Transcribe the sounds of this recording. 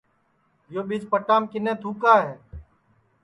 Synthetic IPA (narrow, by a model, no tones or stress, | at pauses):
joːɓɪd͡ʒpəʈaːmkɪnẽːt̪ʰuːkaːɦeː